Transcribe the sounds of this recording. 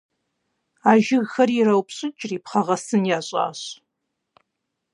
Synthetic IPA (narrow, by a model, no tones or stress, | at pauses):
aːʒɪɣxɐrjiɾɐwpɕʼɪt͡ʃʼriːpχɐʁɐsɨnjaːɕʼa̰ːɕ